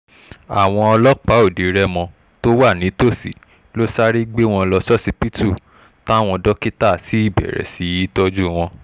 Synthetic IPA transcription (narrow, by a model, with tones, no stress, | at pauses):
a˨w̃ɔ̃˧ɔ˧lɔ˦k͡pa˦o˦˨di˨˦ɾɛ˦mɔ̃˧ | to˦wa˦˨nĩ˨˦to˦˨sḭ˨ | lo˦sa˦ɾi˦ɡ͡be˦w̃ɔ̃˧lɔ˧sɔ˦si˦pi˦tu˦˨ | ta˦w̃ɔ̃˧dɔ˦ki˦ta˦˨si˨˦i˦˨bɛ̰˨ɾɛ̰˨si˨˦ji˦tɔ˦d͡ʒu˦w̃ɔ̃˧